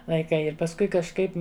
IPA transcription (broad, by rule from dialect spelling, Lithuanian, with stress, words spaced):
lˠɐɪˈkɐɪ ɪr pɐsˈkʊɪ kɐʃˈkɐɪp